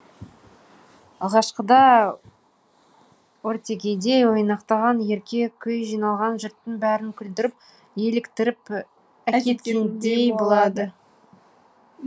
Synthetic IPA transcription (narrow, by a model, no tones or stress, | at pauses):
ɑlˠʁɑʃqəd̪ɑ | woɾt̪ʲe̞kʲe̞jd̪e̞jwo̞jnɑqt̪ɑʁɑnje̞ɾkʲe̞kʲʰʏjʒijnɑlˠʁɑnʒʊɾt̪ːənbæɾɪŋkʲʰʏld̪ɪɾɪp̚ | je̞lɪkt̪ɪɾɪp | ækʲet̪kʲend̪ejbolˠɑd̪ə